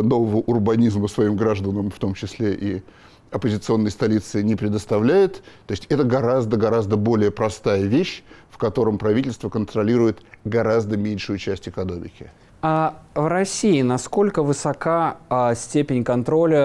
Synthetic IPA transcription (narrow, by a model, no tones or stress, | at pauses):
no̞vəvəʔʊrbɐnʲizmʊsvɐimɡɾaʐd̪ənəmft̪o̞mt͡ɕɪsʲlʲeʔi | ɐpəzʲɪt̪sɨo̞nːəjst̪ɐlʲit̪sɨɪnʲɪpɾʲɪd̪əst̪ɐvlʲæjɪt̪ːoɪsʲtʲɛt̪əɡɐɾazd̪əɡɐɾazd̪əbo̞lʲɪjəpɾɐst̪ajəvʲeɕfkɐt̪o̞ɾəmpɾɐvʲitʲɪlʲst̪vəkənt̪ɾɐlʲiɾʊjɪt̪ɡɐɾazd̪əmʲenʲʂʊjʊt͡ɕæsʲtʲɪkɐno̞mʲɪkʲɪ | avrɐsʲiɪnɐsko̞lʲkəvɨsɐkasʲtʲepʲɪnʲkɐnt̪ɾo̞lʲə